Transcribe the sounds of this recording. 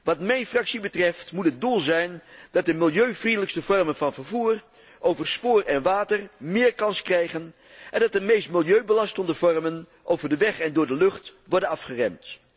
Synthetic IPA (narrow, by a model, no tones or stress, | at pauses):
ʋɑtmɛjnfrɑksibətrɛftmutɦət̚dulˠzɛjndɑt̚dəmɪlˠjøɥvrindələkstəvɔrmənvɑnvəɹvuːr | ʔowvəɹspʊːrɛnʋaːtəɹmɪːɹkɑnskrɛjχən | ʔɛndɑtdəmejstmɪlˠjøɥbəlɑstəndəvɔrmən | ʔowvəɹdəʋɛχɛndʊːɹdəlɵχtʋɔɹdənɑfχərɛ̰mt